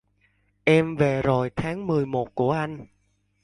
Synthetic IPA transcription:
ʔɛ˧mve˨˩zo˨˩jt̪ʰaː˨˦ŋmɨ˨˩əjmo˨˩t̚ku˧˩əʔa˧jŋ̟

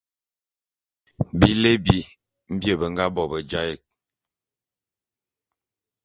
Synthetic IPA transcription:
bi˦le˦bi˨ | m̩˦bjə˦˨bə˨ŋ̩˦ɡa˦bɔ˨bə˨d͡ʒa˦ɛ˨k̚

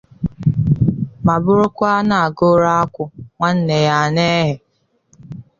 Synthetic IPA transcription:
ma˨bʊ˦ɾʊ˦kʷa˦na˨a˨ɡʊ˦ɾa˦a˦kʷʊ˦ŋʷa˦n̩˦ne˨ja˦˨ne˦ɦe˨

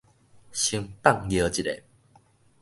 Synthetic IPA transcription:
ɕi˧˦ŋpa˥˨ŋjə˨˦t͡ɕi˨ɾḛ˨˩

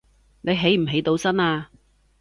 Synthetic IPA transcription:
ne˨˧jɦe˨˥jm̩˨˩ɦe˨˥jt̪o˨˥wsɐ˥naː˧

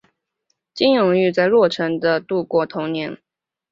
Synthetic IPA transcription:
t͡ɕi˥njʊ˨˩ŋy˥˧t͡sa˥˧ɪlwɔ˥˩ʈ͡ʂʰɤ˧˥ŋd̪ə˧t̪u˥˩kwɔ˥˩t̪ʰʊ˧˥ŋnjɛ˧˥˦n

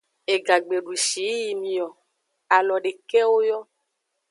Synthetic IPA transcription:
e˨ɡa˨ɡ͡be˨ɖu˨ʃi˨˦ji˨mĩ˨ɔ˨ | a˨lɔ˨ɖe˨kɛ˦wo˦jɔ˦

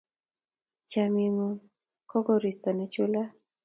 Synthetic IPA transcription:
t͡ʃa˨mi˨mu˦ | kɔ˦ɡɔ˦ɾi˨st̪ɔ˨nɛ˨t͡ʃu˦la˦

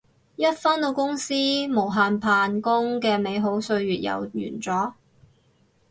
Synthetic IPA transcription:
jɐ˥t̚fɐ˥nt̪o˧wkʊ˥ŋsiː˥mo˨˩wɦaː˨npʰaː˧nkʊ˥ŋkɛː˧me˨˧jɦo˨˥wsɵ˧ɥɥyː˨t̚jɐ̰˨˩wy̰ː˨˩nt͡sɔː˨˥

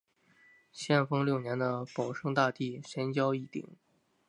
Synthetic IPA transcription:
ɕjɛ˥˩nfɤ˥ŋljo˥˩ʊnjɛ˧˥nd̪ə˧pɑ˨˩ʊʂɤ˥ŋt̪a˥˧t̪i˥˩ʂɛ˧˥nt͡ɕjɑ˥ʊi˥˩t̪ḭ˨˩˦ŋ

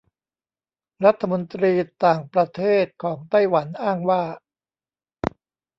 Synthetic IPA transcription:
ɾa˦˥t̪ʰːa˧mo˧nt̪ɾiː˧t̪aː˨˩ŋpɾa˧t̪ʰeː˥˩t̪̚kʰɔː˩˦ŋt̪a˥˩jwa˩˦nʔaː˥˩ŋwaː˥˩

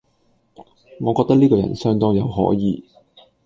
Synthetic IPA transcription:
ŋɔː˨˧kɔː˧k̚t̪ɐ˥k̚liː˥kɔː˧jɐ̰˨˩nsœː˥˧ŋt̪ɔ˥ŋjɐ˨˧wɦɔ̰ː˨˥jiː˨˧

